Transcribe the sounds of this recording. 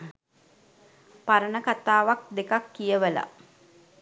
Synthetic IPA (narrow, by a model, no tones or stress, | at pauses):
paɾənəkat̪aːʋak̚d̪ekakːijəʋəla̰